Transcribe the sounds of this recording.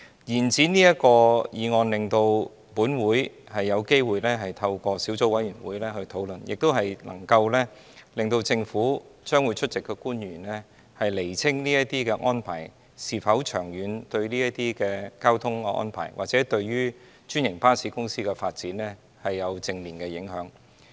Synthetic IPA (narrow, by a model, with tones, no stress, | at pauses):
jiː˨˩nt͡siː˨˥niː˥jɐ˥t̚kɔː˧jiː˨˧ŋɔː˨nlɪ˨ŋt̪o˧w | puː˨˥nwuː˨˥jhɐ˨jːɐ˨˧wke˥jwuː˨jlɛː˥ɦɐ˨jt̪ʰɐ˧wkɔː˧si˨˥wt͡so˨˥wɐ˨˥jyː˨˩nwuː˨˥jlɛː˥hɵ˧ɥt̪ʰo˨˥wlɵ˨njɪ˨k̚t̪o˥wɦɐ˨jlɐ̰˨˩ŋkɐ˧wlɛ˥ | lɪ˨ŋt̪o˧wt͡sɪ˧ŋfuː˨˥t͡ʃœː˥ŋwuː˨˧jt͡ʃʰɵ˥t̚t͡sɪ˨kːɛː˧kuː˥njyː˨˩nlɛː˥ | hɐ˨jle˨˩jt͡sʰɪ˥ŋniː˥jɐ˥t̪iː˥kɛː˧ʔɔː˥npʰaː˨˩j | siː˨fɐ˨˥wt͡ʃʰœː˨˩ŋjyː˨˧nt̪ɵ˧ɥliː˥jɐ˥t̪iː˥kɛː˧kaː˥wt̪ʰʊ˥ŋː˧ʔɔ̰˥npʰa̰ː˨˩jwaː˨k̚t͡sɛː˨˥t̪ɵ˧ɥɥyː˥ | t͡ʃyː˥njɪ˨˩ŋpaː˥nsiː˨˥kʊ˥ŋsiː˥kɛ˧faː˧t̚t͡siː˨˥nlɛ˥ | hɐ˨jːɐ˨˧wt͡sɪ˧ŋliː˨˩nkɛː˧jɪ˨˥ŋɦœː˨˥ŋ